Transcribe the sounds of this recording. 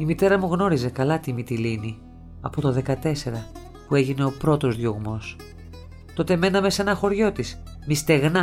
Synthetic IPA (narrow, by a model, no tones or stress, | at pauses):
imit̪e̞ɾɐmuɣno̞ɾize̞kɐlɐt̪imit̪ilini | ɐ̰po̞t̪oðe̞kɐt̪e̞se̞ɾɐ | pue̞ʝine̞o̞pɾo̞t̪o̞zðjo̞ɣmo̞s | t̪o̞t̪e̞me̞nɐme̞senɐxo̞ɾʝo̞t̪is | mist̪e̞ɣnɐ